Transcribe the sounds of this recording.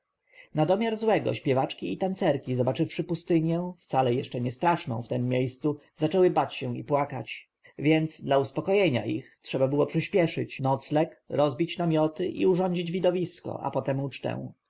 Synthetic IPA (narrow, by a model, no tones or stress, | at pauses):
nad̪ɔmʲjaɾzwɛɡɔ̰ɕpʲjɛvat͡ʂkʲiit̪ant̪sɛɾkʲizɔbat͡ʂɘfʂɘpust̪ɘɲjɛ̃ft̪salɛjɛʂt͡ʂɛɲɛst̪ɾaʂnɔ̰̃w̃ft̪ɛmːjejst̪suzat͡ʂɛwɘbat͡ɕɕɛw̃ḭpwaka̰t͡ɕ | vʲjɛnd̪sd̪lauspɔkɔjɛɲa̰ʔḭxtʂɛbabɘwɔpʂɘɕpʲjɛʂɘ̰t͡ɕnɔt̪slɛkɾɔzbʲit͡ɕnamʲjɔt̪ɘʔḭuʐɔɲd͡ʑid͡ʑvʲid̪ɔvʲiskɔ̰ʔa̰pɔt̪ɛmut͡ʂt̪ɛ̰̃w̃